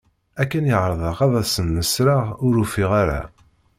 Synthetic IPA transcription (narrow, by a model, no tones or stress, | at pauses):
ækːænjəʁɾˤəðˤəʁɑðɑsənːəsɾaʁʊɾufiʁaɾa̰